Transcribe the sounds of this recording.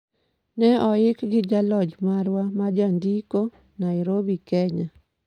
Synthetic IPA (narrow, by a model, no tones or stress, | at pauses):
nɛɔɪkɡɪd͡ʒalɔd͡ʒmaɾwamad͡ʒand̪iko | naɪɾobikɛɲa